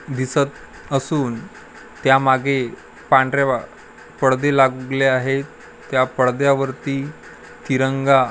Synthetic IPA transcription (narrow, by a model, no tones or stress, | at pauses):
d̪isət̪̚ | əsuːn | t̪jamaɡʱe | pãɳɖɾjaa | pəɽd̪elaɡuɡleaɦetː | japəɭd̪jaʋəɾt̪iː | t̪iɾəŋɡa